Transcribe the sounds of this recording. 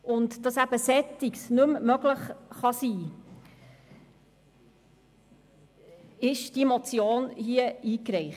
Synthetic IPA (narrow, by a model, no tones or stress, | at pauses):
ʊntd̥ɑsæb̥əsɛtiksnʉmmœɡləχχɑsiː | ɪʃd̥imot͡sjoːnhiəiːkɾɛɪχ